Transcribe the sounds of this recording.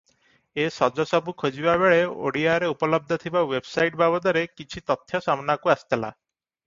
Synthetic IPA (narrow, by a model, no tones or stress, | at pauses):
esɔd͡ʒɔsɔbukʰod͡ʒibabeɭeo̰ɽiaɾeupɔlɔb̚d̪ʱɔt̪ʰibawebsajʈbabɔd̪ɔɾekit͡ʃʰit̪ɔt̪ʰːjɔsamnakuasi̥t̪ʰala̰